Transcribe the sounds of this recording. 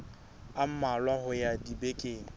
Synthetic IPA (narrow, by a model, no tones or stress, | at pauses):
am̩malwaɦʊjadibekʼeːŋ̩